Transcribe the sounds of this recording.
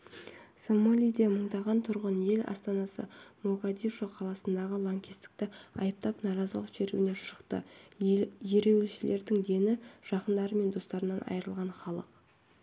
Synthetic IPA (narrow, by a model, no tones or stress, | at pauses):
somolʲijd̪e̞məɴd̪ɑʁɑnt̪ʰʊɾʁənje̞lɑ̰st̪ɑnɑsə̰moɡad̪iʃoqʰɑlˠɑsənd̪ɑʁəlˠoŋkʲist̪ɪ̥k̚t̪ɪɑjəp̚t̪ɑpnɑɾɑzəlˠəqʒ̥eɾ̰ɡʲɪne̞ʃə̥qt̪ə̰ | je̞ɾe̞wlʃɪlʔe̞ɾd̪ɪŋd̪e̞nɪʒ̥ɑqənd̪ɑɾəme̞nd̪o̞st̪ɑɾənɑnʔɑ̰jəɾəlˠʁɑnχɑlˠəq